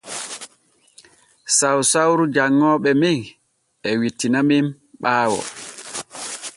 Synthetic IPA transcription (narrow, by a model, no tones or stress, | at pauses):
sawsawɾud͡ʒaŋːɔːɓɛmiŋ | ʔɛwitːinamim | ɓaːwɔ̰